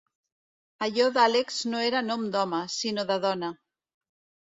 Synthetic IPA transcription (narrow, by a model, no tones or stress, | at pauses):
aʎoðalekz̥noeɾanõmd̪ɔmɐsinoðaðɔnɐ